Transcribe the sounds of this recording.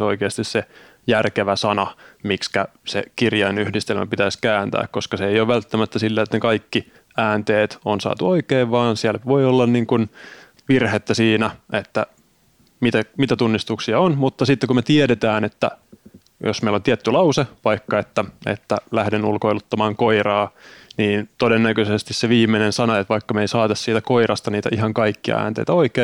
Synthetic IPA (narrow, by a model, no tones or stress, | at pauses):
oikeɑst̪isse | jærkeʋæsɑnɑmikskæsḛkirjɑinyhdist̪elmʔæ̰pit̪æiskæːnt̪æ̰ːkkoskɑseejoʋʋælt̪ːæmæt̪ːæsilːeːt̪nekɑikːi | æːnt̪eːt̪onsɑ̰ːt̪uoikeːʋʋɑːnsiælʋoiolːɑnniːŋkun | ʋirhet̪ːæsiːnæet̪ːæ | mit̪æmit̪æt̪unːist̪uksiɑonmut̪ːɑsit̪ːekumet̪ieɾet̪æːnet̪ːæ̰ | josmeilont̪iæt̪ːylɑuseʋɑikːɑet̪ːæḛt̪ːælæhdenulkoilut̪ːɑmɑːŋkoirɑːniːnt̪odenːækøsest̪isseʋiːmːenensɑnoet̪ʋɑikːɑmeisɑːt̪ɑssiːt̪ækoirɑst̪ɑniːt̪æ̰ʔiɦɑŋkɑikːiɑ̰æ̰ːnt̪ḛit̪æoikeː